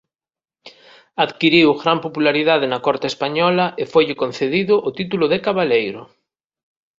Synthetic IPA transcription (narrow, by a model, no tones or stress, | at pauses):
aðkiɾiwɣɾampopulaɾiðaðɪnɐkɔɾt̪ɪeːspaɲɔlɐʔefojʎɪkon̟θeðiðʊʔot̪it̪ulʊðekaβalejɾʊ